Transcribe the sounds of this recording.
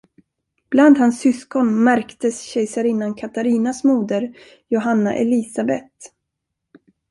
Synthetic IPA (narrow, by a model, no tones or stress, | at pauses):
b̥land̪hansːʏskɔnmæɾkt̪əsɕɛjsaɾɪnːankʰat̪aɾiːnasmuːd̪əɾ | jʊɦanːa̰ʔɛliːsabɛt̪